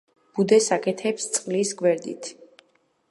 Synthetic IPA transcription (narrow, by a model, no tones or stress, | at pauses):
b̥ud̪ɛsakʰʼɛt̪ʰɛpst̪sʼqʼlisɡwɛɾd̪ḭt̪ʰ